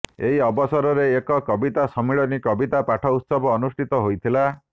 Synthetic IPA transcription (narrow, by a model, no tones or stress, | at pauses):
eɦiɔbɔsɔɾɔɾeːkɔkɔbit̪asɔmiɭɔnikɔbit̪apaʈʰɔut̪sɔbɔːnusʈʰit̪ɔɦojt̪ʰila